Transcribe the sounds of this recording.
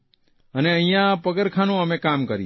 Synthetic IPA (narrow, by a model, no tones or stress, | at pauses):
əneəijãpəɡəɾkʰaːnõəmẽkaːmkəɾḭ